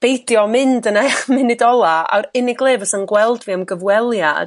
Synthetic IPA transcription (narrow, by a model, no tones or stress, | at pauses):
b̥ejdjɔmɪndənaχmɪnɪdɔlˠaa̰wɾɪnɪɡlˠeːvəsənɡwɛlˠdviamɡəvwɛlˠja̰d̥